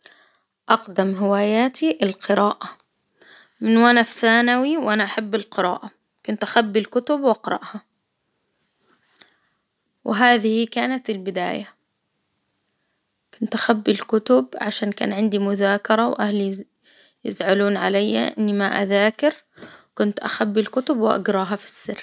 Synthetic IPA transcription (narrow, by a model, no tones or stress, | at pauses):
ʔɑqd̪amɦɪwaːjaːt̪iʔɪlqɨɾaːʔa | mɪnwʔanafθaːnawiwʔanaʔaħabːɪlqɨɾa̰ːʔa | kʊnt̪ʔaxabːɪlkʊt̪ʊbwʔɑqɾˤɑ̰ʔha | wʔɪɦaːðɪhikaːnat̪ɪlbɪd̪a̰ːja | kʊnt̪ʔaxabːɪlkʊt̪ʊbʕaʃaːnka̰ːnʕɪnd̪imʊðaːkɑɾˤɑwʔahli | jɪzʕaluːnʕalajːa̰ʔɪ̰nːimaʔa̰ðaːkɪɾ | kʊnt̪ʔa̰xabːɪlkʊt̪ʊbwʔa̰ɡɾˤɑːɦɑfi̥sːɪrː